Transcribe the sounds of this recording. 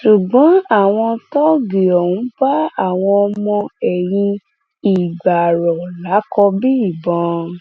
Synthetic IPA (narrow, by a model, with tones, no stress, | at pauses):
ʃu˨ɡ͡bɔ̃˨˦a˦˨w̃ɔ̃˧tɔ˦ɡe˨ɔ˨wũ˨˦ba˦a˦˨w̃ɔ̃˧ɔ˧mɔ̃˧ɛ˨jĩ˧ | i˨ɡ͡ba˨ɾɔ˨la˨˦kɔ˧bi˦i˦˨bɔ̃˨˧˦